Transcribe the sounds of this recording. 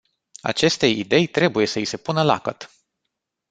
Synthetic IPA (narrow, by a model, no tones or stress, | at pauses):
a̰t͡ʃe̞st̪e̞jid̪e̞jt̪ɾe̞buje̞səise̞punəla̰kət̪